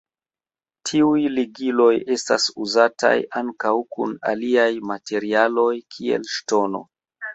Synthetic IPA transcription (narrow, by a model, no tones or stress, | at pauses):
tʰiujliɡilo̞je̞sta̰suzatʰa̰jʔaŋkawkṵna̰liajmatʰe̞ɾialo̞jkʰie̞̰lʃto̞no̞̰